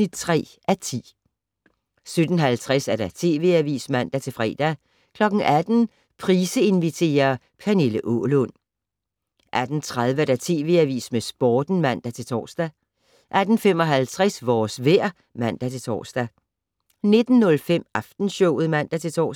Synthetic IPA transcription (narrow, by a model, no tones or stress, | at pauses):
id̥t͡sʰʁɛ̰ː | ʔæt͡sʰḭː | sød̥n̩ɦælt͡sʰʁasæɐɾ̥æt͡sʰe̝̰ːʋe̝æʋḭːsmæn̰d̥æt͡sʰe̝lfʁɛ̰ːd̥æ | kʰlɒ̽ɡ̥n̩ʔæd̥n̩ | pʰʁiːsəe̝nʋit͡sʰe̝̰ːɐ | pʰæne̝ləʔɔlɔn | ʔæd̥n̩t͡sʰʁað̞ˠʋəɐd̥æt͡sʰe̝̰ːʋe̝̰æʋḭːsmesb̥ɒːd̥n̩mæn̰d̥æt͡sʰe̝lt͡sʰɒ̰ːsd̥æ | ʔæd̥n̩fem̰ɒ̽ɦælt͡sʰʁɛsʋɒːsʋeɐ̰ | mæn̰d̥æt͡sʰe̝t͡sʰɒ̰ːsd̥æ | ne̝d̥n̩ːɔ̽lfem̰ʔɑfd̥n̩ɕɔʊð̞̩ˠmæn̰d̥æt͡sʰe̝t͡sʰɒ̰ː